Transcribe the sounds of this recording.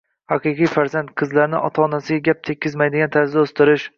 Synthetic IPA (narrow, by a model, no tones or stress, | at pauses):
haqɨqijfaɾzant̪qʰɨzlaɾnɪ̰ʔɒ̰t̪ʰaːnasɪɡʲaɡʲap̚t̪ʰekʲʰːɪzmajd̪ɪɡʲant̪ʰaɾzaost̪ɪɾɪʃ